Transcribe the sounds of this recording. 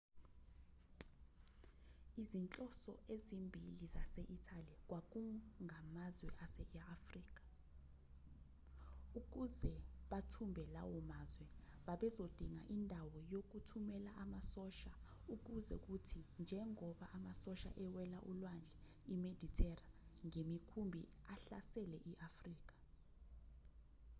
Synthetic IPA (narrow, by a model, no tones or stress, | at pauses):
izint͡ɬʼɔsɔ̰ʔezimbʱilizasɛʔitʰalik̬wak̬uŋʱamazwɛʔasɛafriːk̬ʼḁ | uk̬uzɛɓatʰumbʱɛla̰wɔmazwɛɓaɓɛzod̥ʱiŋa̰ʔindʱawɔjok̬utʰumɛlaʔamasɔʃa | uk̬uzɛ̰k̬utʰind͡ʒʱɛŋɔɓaʔamasɔʃa̰ʔɛwɛlaʔulwand͡ɮʱɛ | imed̥ʱitʰɛraŋemikʰumbʱḭ | aɬa̰sɛlɛʔiʔafriːk̬ḁ